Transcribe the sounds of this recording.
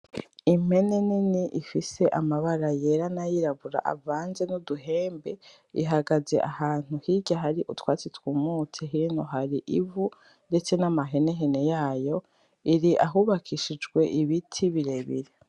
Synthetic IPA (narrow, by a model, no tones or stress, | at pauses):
im̥e̞neniniʔifise̞ʔamaβaɾaje̞ɾanajiɾaβuɾa̰ʔa̰vaːnze̞nuduɦe̞ːmbe̞ | ḭɦaɡaze̞̰ʔahaːn̥uhiɟaɦaɾiʔutwaːt͡sitwuːmuːt͡seɦiɾinoɦaɾiʔḭvu | nde̞t͡se̞namaɦe̞ne̞ɦene̞jaːjo̞ | iɾiʔa̰ɦuβakʰiʃid͡ʒɡwe̞ʔiβitʰiβiɾeβḭɾe